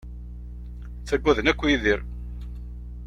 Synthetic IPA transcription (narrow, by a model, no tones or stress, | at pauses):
θæɡʷːæðənækʷːjiðiɾ